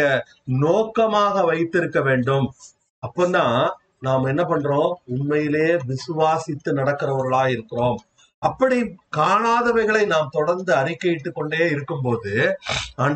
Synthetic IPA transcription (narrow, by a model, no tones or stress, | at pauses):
ɐ | noːkɐmaːɣɐʋɐɪt̪ːɪɾɯkːɐʋeːɳɖɯm | ɐpːɐːnd̪ãː | naːmɛnːɐpɐɳːrɾõːʊnmɐjɪleːʋɪsɯʋaːsɪt̪ːɯnɐɽɐkːɪrɐʋɐɾɣɐɭaːjɪɾɯkːɪɾoːm | ɐpːɐɽikaːɳaːðɐʋɐɪɣɐɭɐɪnaːmt̪ɔɽɐɾnd̪ɯɐɾɪkːɐjɪʈːɯkːɔɳɖeːɪɾɯkːɯmpoːðɯaɳ